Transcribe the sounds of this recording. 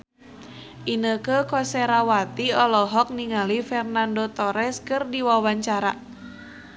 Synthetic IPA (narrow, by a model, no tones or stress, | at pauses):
ʔinəkəkɔsɛɾawat̪iɔlɔɦɔk̚niŋalifɛrnandot̪ɔɾɛskɨrdiwawaɲt͡ʃaɾa